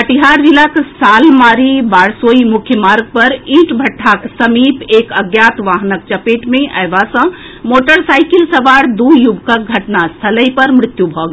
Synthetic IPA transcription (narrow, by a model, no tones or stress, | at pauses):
əʈiɦaːɾʋiləksaːlmaːɾibaːɽsoːimʊkʰjəmaːɾɡ̚pɐɾĩːʈbʱɐʈʰːaːksəmiːpeːkəɡjaːt̪ʋaːɦnək̚t͡ʃɐpeːʈmẽʔɐjʋasə̃ | moːʈəɾsaːɪkɪlsɐʋaːɽd̪uːjubʱkək̚ɡʱɐʈnast̪ʰələjpɐɾmɾɪt̪jubʱɔːɡ